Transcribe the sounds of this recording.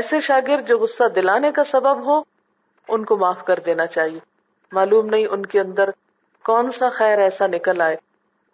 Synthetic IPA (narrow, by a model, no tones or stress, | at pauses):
ɛːseʃaːɡɪɾd̪̚d͡ʒoːɣʊsːad̪ɪlaːnekasɐbəbɦo | ʊnkomaːfkɐɾd̪eːnat͡ʃaːɦieː | maːluːmnɐɦĩʔʊnkeɐ̃nd̪əɾ | kɔːnsaxɛːɾɛːsanɪkəlaːeː